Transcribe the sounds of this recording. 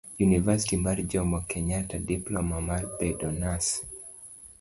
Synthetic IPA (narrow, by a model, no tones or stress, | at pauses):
junivasitimaɾd͡ʒɔmɔkɛɲatadiplɔmamalpɛdɔnas